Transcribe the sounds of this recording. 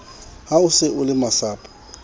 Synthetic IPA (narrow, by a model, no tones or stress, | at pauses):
haʊsɪʔʊlɪmasaːpʼḁ